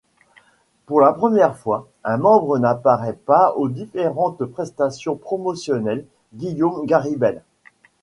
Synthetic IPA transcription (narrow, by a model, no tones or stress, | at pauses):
puʁlapχəmjɛʁfwa | ɛ̃mɑ̃bʁənapaʁɛpaod̪ifeʁɑ̃t̪pχɛst̪asjɔ̃pχɔmɔsjɔnɛl | ɡʲijomɡaʁibɛl